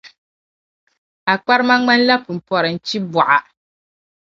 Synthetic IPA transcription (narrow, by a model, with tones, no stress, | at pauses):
a˨k͡pa˦ɾɨ˦ma˦ŋ͡ma˦n˦la˦pu˨m̩˨pɔ˨ɾɨ˨n̩˨t͡ʃi˦bu˨ʔa˨